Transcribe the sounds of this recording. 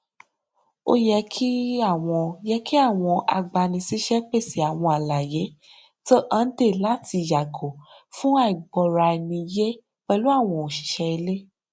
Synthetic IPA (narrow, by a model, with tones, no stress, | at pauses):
o̰˦jɛ˧kʰi˦a˦˨w̃ɔ̃˧jɛ˦ki˦a˦˨w̃ɔ̃˧a̰˧ɡ͡ba˧nĩ˧si˦ʃɛ˦k͡pe˦˨si˨˦a˨w̃ɔ̃˧a˨la˨je˨˦ | to˦ʔã˦de˦˨la˦ti˧ja˨ɡo˨ | fũ˦a˦˨i˨ɡ͡bɔ˨ɾa˧ɛ˧nĩ˧je˦ | k͡pɛ˧lu˦a˦˨w̃ɔ̃˧o˨ʃi̥˨ʃɛ˧e˧le˦